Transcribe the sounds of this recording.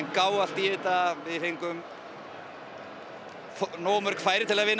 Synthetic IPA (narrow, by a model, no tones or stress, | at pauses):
nkaːwast̪iːɪt̪avɪðθejŋkʏm | fnɔːmœɾkfaːjɾɪt̪ʰɪlaðvɪnː